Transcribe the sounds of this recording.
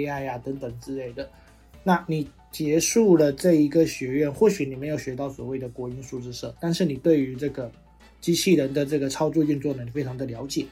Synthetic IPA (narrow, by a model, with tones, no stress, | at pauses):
a˥˩ɪa˩t̪ə˧˥ŋt̪ə˨˩ŋt͡sɻ̩˥˧le˥˩ɪd̪ə˩ | na˥˩ni˨˩ | t͡ɕjɛ˧˥ʂu˥˩lə˨ʈ͡ʂɤ˥˩i˧˥ɡə˧ɕɥɛ˧˥ɥɛ˥˧nxwɔ˥˩ɕy˨˦ni˨˩me˧˥ɪjo˨˩ʊɕɥɛ˧˥t̪ɑ˥˩ʊswɔ˨˩we˥˩ɪd̪ə˩kwɔ˧˥i˥nʂu˥˧ʈ͡ʂɻ̩˥˧ʂɤ˥˩t̪a˥˧nʂɻ̩˥˩ni˨˩t̪we˥˩ɪy˧˥ʈ͡ʂɤ˥˩ɡə˩ | t͡ɕi˥t͡ɕʰi˥˩ɻə˧˥nd̪ə˧ʈ͡ʂɤ˥˩ɡə˩ʈ͡ʂʰɑ˥ʊt͡swɔ˥˧t͡ɕi˥˧nt͡swɔ˥˩nə˧˩n˨˩fe˥ɪʈ͡ʂʰɑ˧˥ŋd̪ə˨ljɑ˧˥ʊt͡ɕjɛ˨˩˦